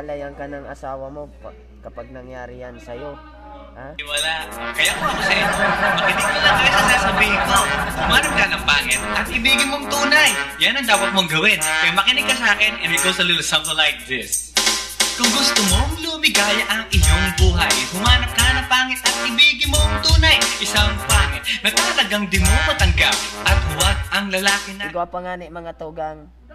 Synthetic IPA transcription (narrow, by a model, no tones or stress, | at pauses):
pɐlɐjɐŋkɐnɐŋɐ̰saːwɐmo̞p | kɐpaɡ̚nɐŋjaːɾɪjɐnsɐjo | aɪwɐlaʔkɐjakot̪ɐkʊsɛmɐkɪnɪɡ̚mɐlaŋkɐjosɐsaːsɐbiːhɪkoɐt̪hʊmaːnɐp̚kanɐŋpaːŋɪt̪̚ʔɐt̪̚ʔɪbiːɡɪnmoŋt̪uːnɐjjanɐŋd̪aːwɐt̪̚moŋɡɐwɪnkɐjamɐkɪnɪɡ̚kːɐsaːkɪnɛnɪt̪̚ɡowsɐlɪt̪sɐpɐlajk̚d̪ɪs | kʊŋɡʊst̪omoŋluːmɪɡaːjɐʔɐŋɪjoŋbuːɦɐjhʊmaːnɐp̚kɐanɐŋpaːŋɪt̪̚ʔɐt̪̚ʔɪbiːɡɪnmoŋt̪uːnɐjʔɪsaŋpaːŋɪt̪̚nɐɡ̚t̪at̪ɐlɐɡaŋd̪ɪmopɐt̪ɐŋɡap̚ʔɐt̪̚hʊwanʔɐŋlɐlaːkɪnɐɡoɐpɐŋaːnɪmɐŋat̪uːɡaŋ